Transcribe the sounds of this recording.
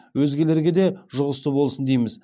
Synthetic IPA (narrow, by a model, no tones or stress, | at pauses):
wɵzɡʲe̞le̞ɾɡʲe̞d̪e̞ʒʊʁəst̪əbo̞lˠsənd̪ejmɪz